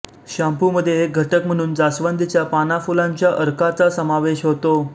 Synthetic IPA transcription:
ɕampuməd̪ʱjeɡʱəʈəkm̤əɽ̃uːnd͡zasʋənd̪ʱit͡ɕjapanafulãɲt͡ɕjaʔəɾkat͡sasəmaʋeɕɦot̪o

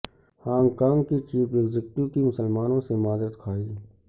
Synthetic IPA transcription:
hãːŋkaːŋkit͡ʃiːpeɡzɪk̚ʈ̪jukimʊsəlmaːnõsemaːzɾət̪kʰaːiː

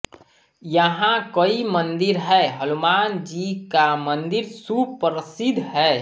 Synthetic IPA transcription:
jəɦãkəimənd̪ɪɾɦɛɦəlumaːnd͡ʒikamənd̪ɪɾsupɾəsɪd̪ʱɦɛ

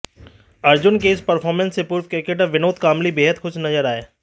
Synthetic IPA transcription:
ɐɾd͡ʒʊnkeːspɐɾfʰɔːɾmɛ̃nsːepuːɾfkɾɪkeʈəʋɪnoːt̪kaːmlibeːɦəd̪xʊt͡ʃʰnɐzəɾaːeː

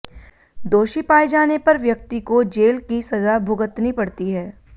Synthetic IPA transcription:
d̪oːʃipaːid͡ʒaːnepɐɾʋjɐk̚t̪ikod͡ʒeːlkisɐzabʱʊɡət̪nipɐɽt̪iɦɛː

